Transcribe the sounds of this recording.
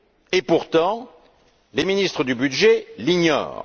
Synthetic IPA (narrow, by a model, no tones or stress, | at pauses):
epuʁt̪ɑ̃ | leminist̪χəd̪ybyd̪ʒeliɲɔ̰ːʁ